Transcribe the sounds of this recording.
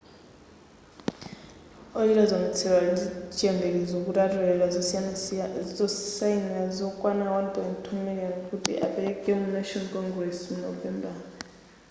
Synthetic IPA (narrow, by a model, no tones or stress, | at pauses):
ojilazɔm̩tʰɛwazit͡ʃʼɛmbʱɛk̬ɛzokʼutʼatɔlɛlaz | zɔsajinazɔkʼwanawanpʼɔntʰumɛk̬ʼɛŋokʼutʰḭʔa̰pʰʼɛlɛkʼɛum̩nɛʃɔnkʰʼɔŋɡrɛsm̩nɔvɛmbʱa